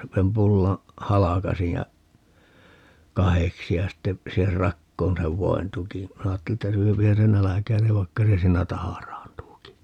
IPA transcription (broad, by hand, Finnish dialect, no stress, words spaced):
sem pulːɑ̃ː hɑlɑkɑsij jɑ kɑheksi jɑ sitːe siːher rɑkːoːn seʋ ʋoin tukĩː minæ ɑːtːeli etːæ syøpihæn se nælækæi̯neʋ ʋɑikːɑ se siːnæ tɑhɑrɑːntuːki